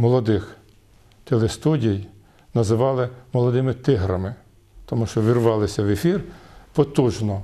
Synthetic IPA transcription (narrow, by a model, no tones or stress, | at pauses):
mɔlˠɔd̪ɪx | t̪elˠest̪udʲij | nɐzɪʋɑlˠɪmɔlˠɔd̪ɪmɪt̪ɪɦɾɐmɪ | t̪ɔmuʃt͡ʃɔʋʲirʋɑlˠɪsʲɐʋefʲirpɔt̪uʒnɔ